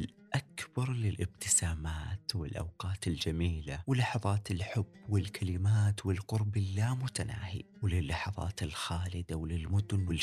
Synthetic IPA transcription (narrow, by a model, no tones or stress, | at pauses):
ɪl | ʔakbɑɾˤlɪlʔɪbt̪ɪsaːmaːt̪wɪ̰lʔa̰wqɑːt̪ɪld͡ʒamiːlawɪlːɑħɑðˤɑːt̪ɪlħʊbːwɪlkʰalɪmaːt̪wɪlqʊɾbɪlːaːmʊt̪ana̰ːhḭwlɪlːɑħɑðˤɑ̰ːt̪ɪlxaːlɪd̪awɪlɪlmʊd̪ʊnwɪl